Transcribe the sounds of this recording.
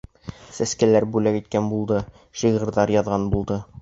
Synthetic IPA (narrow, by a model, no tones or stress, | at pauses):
sæskælæɾbʉlækit̪̚kænbulˠd̪ɤ | ʃiʁɤ̆ɾðɑɾjɒðʁɑnbulˠd̪ɤ